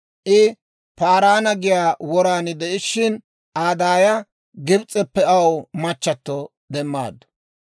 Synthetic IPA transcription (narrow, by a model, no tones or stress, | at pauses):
ʔɪ | paːɾaːnɐɡɪjaːwɔɾaːnɪd̪ɛʔɪʃɪn | ʔaːd̪aːjɐ | ɡɪbt͡sʼːɛpːɛɐwmɐt͡ʃːɐt̪ːɔ | d̪ɛmːa̰ːd̪ːɔ̥